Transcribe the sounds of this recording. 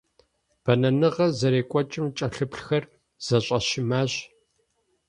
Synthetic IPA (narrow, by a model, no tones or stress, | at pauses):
b̥ɐnɐnɨʁɐzɐɾeːkʷʼɔt͡ʃʼɪmt͡ʃʼɐɬɨpɬxɐr | z̥ɐɕʼɐʃɪmaːʑ